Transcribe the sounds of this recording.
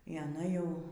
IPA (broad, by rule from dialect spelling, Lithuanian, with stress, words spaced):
iː ɐˈnɐ ˈjɛʊ